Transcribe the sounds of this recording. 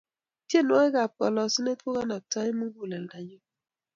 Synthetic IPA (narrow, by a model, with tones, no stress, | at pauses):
tje˦˨nwa˦e˦ka˨p̚ɔ˨lɔ˨si˦ne˦tko˦ka˦na˨tɔ˦i˦mu˦ɡu˨lɛ˨lda˨ɲo˦